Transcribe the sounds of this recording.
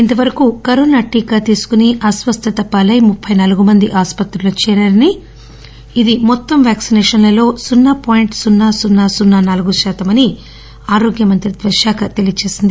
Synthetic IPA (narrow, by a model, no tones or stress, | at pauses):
int̪ɐʋɐɾɐkukɐɾoːnaːʈiːkat̪iːsu̥kuniʔɐsʋɐst̪ʰɐt̪ɐpːɐlɐjmupʰːɐjnɐluɡumɐnd̪iʔaːspɐt̪ɾulɐt͡ʃɛːɾaɾɐni | id̪imɔt̪ːɐmʋjaːksinɛːʂɐnlɐlo̞ːsunːaːpoːjiɳʈsunːaːsunːaːsunːaːnaːluɡuʃaːt̪ɐmɐni | aːɾoːɡjɐmɐnt̪ɾid̪ʋɐʃjaːkʰɐt̪elijɐt͡ʃe̞ːsind̪i